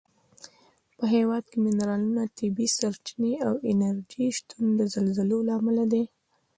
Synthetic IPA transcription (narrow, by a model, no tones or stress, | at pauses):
pəɦewɑd̪̚kemɪnɾɑlunat̪ɪbisaɾt͡ʃineawɪnaɾd͡ʒiʃt̪und̪əzalzalolɑmalad̪e